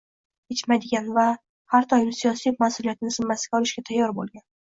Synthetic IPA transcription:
et͡ʃmad̪ɪɡʲanva | haɾt̪ʰɒjɪnɪsijɒsimasʊlijat̪ɪnɪsɪmːasɪ̥ɡʲaɒlɪʃɡʲat̪ʰajːɒɾbo̰lˠɡʲan

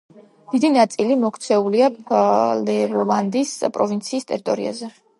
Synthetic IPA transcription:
d̪̥id̪inat̪sʼilimɔkʰt̪sʰɛuliaplɛɔlˠand̪ispʼɾɔvint̪sʰiːst̪ʼɛɾit̪ʼɔɾḭa̰zɛ

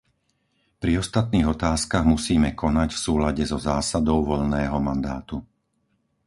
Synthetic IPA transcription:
pɾiɔst̪at̪niːɣɔt̪aːskaɣmusiːmɛkɔnacfsuːlaɟɛzɔzaːsad̪ɔʊʋɔʎnɛːɦɔmand̪aːt̪u

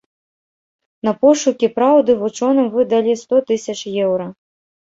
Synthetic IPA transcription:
n̪ɐpɔʂukʲipɾawd̪ɨvut͡ʂɔnɐmvɨd̪ɐlʲist̪ɔt̪ɨsʲɐt͡ʂjɛwɾɐ

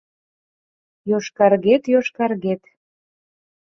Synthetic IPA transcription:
joʃkɑrɣet̪joʃkɑrɣet̪

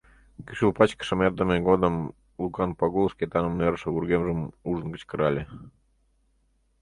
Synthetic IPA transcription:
kiʃulˠpɑt͡ɕkə̥ʃə̆merd̪ə̆mʲeɡod̪ə̆m | lˠukɑnpɑɡulˠskʲet̪ɑnəmerʃə̆βurɡemʒə̆muʐə̆nɡə̆t͡ɕkə̆ɾɑlʲe

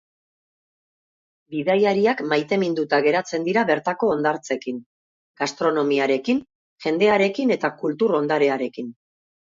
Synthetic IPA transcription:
biðajaɾiakmajt̪e̞mind̪ut̪aɣe̞ɾat͡se̞nd̪iɾaβe̞ɾt̪ako̞ːnd̪aɾt͡se̞kin | ɡ̥ast̪ɾo̞no̞miaɾe̞kin | ʝe̞nd̪e̞aɾe̞kine̞t̪akult̪uɾo̞nd̪aɾe̞aɾe̞kin

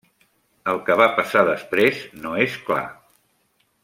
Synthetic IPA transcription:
əlˠkəβ̞apəsaðəspɾeznoeskla̰

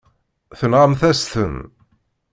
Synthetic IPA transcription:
θənʁəmθæst̪ən

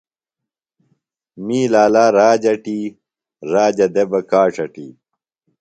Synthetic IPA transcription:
miːlaːlaːɾaːd͡ʑɐʈiː | ɾaːd͡ʑɐd̪ebɐkaːʂɐʈḭː

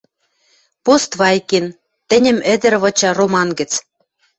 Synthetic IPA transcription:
post̪βɑjken | t̪ɘ̆nʲɘ̆mɘ̆d̪ɘ̆ɾβɤ̆t͡ɕɑromɑnɡɘ̆t͡s

